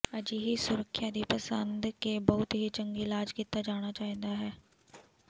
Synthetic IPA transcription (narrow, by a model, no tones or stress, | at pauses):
əd͡ʒiɦisʊɾəkʰːjad̪iːpəsənd̪kebɐɦʊt̪ɦit͡ʃə̃ŋɡilaːd͡ʒkit̪ːad͡ʒaːɽ̃at͡ʃaːɦĩːnd̪aɦɛː